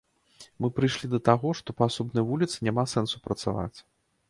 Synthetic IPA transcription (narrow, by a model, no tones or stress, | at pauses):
mɨpɾɨjʂlʲid̪ɐt̪aɣɔʂt̪ɔpɐasɔbnɐjvulʲit̪sɨnʲamasɛnsupɾɐt̪sa̰va̰t͡sʲ